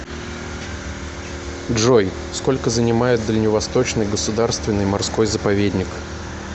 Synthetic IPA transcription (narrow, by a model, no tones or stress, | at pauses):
dʐo̞j | sko̞lʲkəzənʲɪmajɪt̪̚d̪əlʲnʲɪvɐst̪o̞t͡ɕnɨjɡəsʊd̪arst̪vʲɪnːɨjmarsko̞jzəpɐvʲedʲnʲɪk